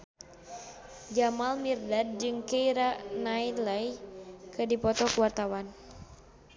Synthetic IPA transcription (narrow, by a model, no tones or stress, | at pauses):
d͡ʒamalmirdad̚d͡ʒɨŋkeiɾanailajkədipɔt̪ɔkuwart̪awan